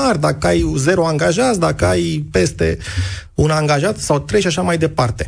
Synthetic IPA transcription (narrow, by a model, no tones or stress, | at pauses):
ard̪akəajze̞ɾoaŋɡaʒat̪sʲd̪akəajpe̞st̪e̞̰unaŋɡaʒat̪sawt̪ɾe̞jʃaʃamajd̪e̞part̪e̞̥